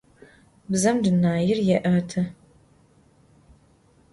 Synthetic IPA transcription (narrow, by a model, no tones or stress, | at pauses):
bzɐmdɨnaːjɪrjɛʔɐtʰɐ